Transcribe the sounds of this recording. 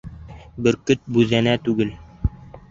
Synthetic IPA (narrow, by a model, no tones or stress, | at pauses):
bɘɾkɵt̪̚bʉðænæt̪ʉɡɘl